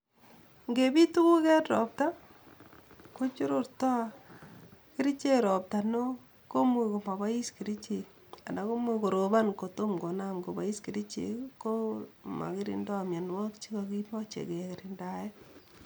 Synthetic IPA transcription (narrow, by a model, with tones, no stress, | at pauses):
ŋɡe˨bi˦tu˦ku˦kɛ˦tɾɔ̰˨p̚ta˦ | ko˦t͡ʃu˦ɾo˦ɾtɔ˦ | ki˦ɾi˦t͡ʃe˦ɾɔ˨p̚ta˨no˦ | ko˦mu˨ko˨ma˨ba˦i˦ski˨ɾi˦t͡ʃe˨ | a˨nda˨ko˦mu˦ko˨ɾo˨ba˦nko˨to˦mɡo˨na˦mɡo˨ba̰˦i˦ski˨ɾi˦t͡ʃḛ˨ko˦ma̰˨ki˦ɾḭ˦ndɔ˦˨mje˨nwa˦kt͡ʃi˦ko˨ki˦mɔ˦t͡ʃḛ˨ke˨kɪ˨ɾi˨nda˨jɛ˦